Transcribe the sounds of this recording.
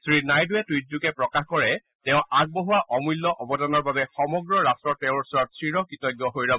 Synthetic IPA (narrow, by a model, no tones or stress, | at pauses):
sɹinajduɛtujt̚zukɛpɹɔkaxkɔɹɛ | tɛʊ̃aɡ̚boɦuwaʔɔmulːɔʔɔbɔdanɔɹbabɛxɔmɔɡɹɔɹastɹɔɹtɛʊ̃uɹsɔɹɔtsɹiɹɔkitɔjɡjɔɦojɹabɔ